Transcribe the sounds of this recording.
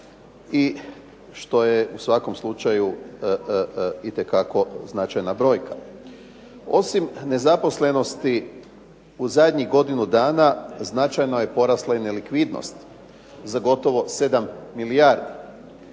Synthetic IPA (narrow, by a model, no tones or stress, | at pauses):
i | ʃt̪o̞jeusʋako̞mslˠut͡ʃaju | it̪ekako̞znat͡ʃajnabɾo̞ːjka | o̞̰simne̞zapo̞sle̞no̞st̪i | uzad̪ɲiɣɡo̞d̪inud̪aːnaznat͡ʃajnoje̞po̞ɾaslaine̞likʋid̪no̰st̪ | zaɡo̞t̪o̞ʋo̞se̞d̪amːilijaːɾd̪i